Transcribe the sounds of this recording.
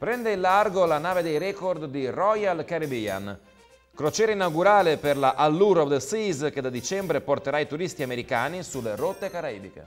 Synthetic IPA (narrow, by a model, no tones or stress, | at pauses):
pɾɛnd̪eilːarɡolanaːved̪ejɾɛkord̪ːirɔjalkaɾibia̰n | kɾot͡ʃɛːɾainawɡuɾaːleperlaʔalːuɾɔd̪sizk̟ed̪ad̪it͡ʃɛmbɾeport̪eɾait̪uɾist̪iameɾikaːnisulːerot̪ːekaɾaḭːbikḛ